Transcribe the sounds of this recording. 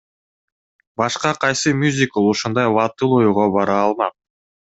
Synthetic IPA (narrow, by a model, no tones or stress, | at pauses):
bɑʃqɑqʰɑjsɨmʲuzʲikolˠuʃund̪ɑjvɑt̪ɯlˠojuʁobɑɾɑːlˠmɑq̚